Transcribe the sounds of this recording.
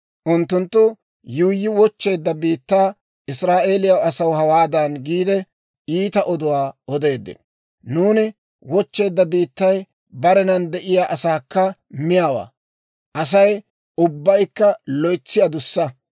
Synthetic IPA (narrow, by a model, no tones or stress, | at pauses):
ʔʊnt̪ːʊnt̪ːʊ | juːjːɪwɔt͡ʃːe̞ːd̪ːɐbiːt̪ːaː | ʔɪsɾaːʔe̞ːlɪjɐwɐsɐwhɐwaːd̪ɐnɡiːd̪ɛ | iːt̪ɐʔɔd̪ʊwaːɔd̪e̞ːd̪ːɪ̰n | nuːnɪ | wɔt͡ʃːe̞ːd̪ːɐbiːt̪ːɐj | bɐɾɛnɐnd̪ɛʔɪjaːʔɐsaːkːɐmɪjaːwa̰ː | ʔɐs̬ɐj | ʊbːɐjkːɐlɔjt͡sːɪjad̪ʊsːɐ